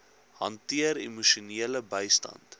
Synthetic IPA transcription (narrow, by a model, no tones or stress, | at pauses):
ɦɐntiəɾḭmuʃuniələbəjstɐ̰nt